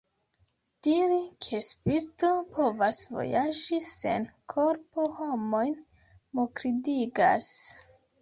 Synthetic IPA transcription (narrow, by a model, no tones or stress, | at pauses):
d̥iɾikʰe̞spiɾto̞po̞vasvo̞̰jad͡ʒise̞̰nkʰo̞ɾpoho̞mojn | mokɾidiɡa̰s